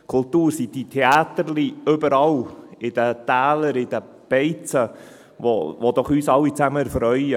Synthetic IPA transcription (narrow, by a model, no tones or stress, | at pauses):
kʰʊltuːɾsid̪itʰeɑːt̪əɾliʏbəɾɑlɪd̥̪ət̪æːləɾɪd̥̪ə | b̥ɛɪt͡sə | ʋo̰ʋod̪ɔχyːsɑlːit͡sæməɾfɾœʏə